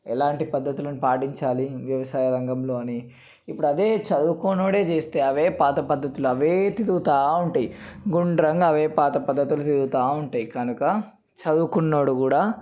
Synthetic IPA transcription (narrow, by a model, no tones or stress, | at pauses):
ɛlaːɳʈipɐd̪ːɐt̪ulɐnupaːʈiɲt͡ʃaːliʋjɐʋɐsaːjɐɾɐŋɡɐmlo̞ːɐniː | pːuɽuɐd̪e̞ːt͡ʃɐd̪ukoːnoːɽe̞ːt͡ʃe̞ːst̪e̞ːɐʋe̞ːpaːt̪ɐpɐd̪ːɐt̪uluɐʋeːt̪id̪ut̪aːuɳʈɐjiɡuɳɖɐɾɐŋɡɐʋe̞ːpaːt̪ɐpɐd̪ːɐt̪ulut̪id̪uut̪aːuɳʈaːjikɐnukɐ | t͡ʃɐd̪ukunːo̞ːɽukuːɽaː